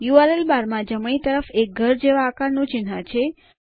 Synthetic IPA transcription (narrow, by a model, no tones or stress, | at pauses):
juaɾelbaɾmãd͡ʒəmɳ̃it̪əɾəfek̚ɡʱəɾd͡ʒeʋãːkaɾnũt͡ʃɪnãt͡ʃʰe